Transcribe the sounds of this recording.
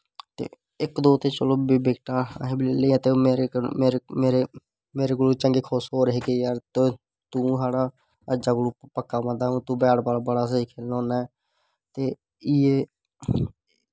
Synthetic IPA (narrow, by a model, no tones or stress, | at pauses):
t̪ḛː | ɪkd̪oːt̪eːt͡ʃəloːbiːbeːkʈa̰ːɦẽːbileːlẽːt̪eːmeːɾemeːɾemeːɾe | meːɾeːɡoluːt͡ʃəŋɡeːkʰoːsɦoːɾɦeːɡeːjaːɾt̪o | t̪ũːsaːɽaː | əd͡ʒaːkʊluːppəkːaːmə̃nd̪aːũːt̪ũːbɛːɽbalːbəɽaːs̬əiːkʰeːlnõːnaɛ | t̪eː | ɪeː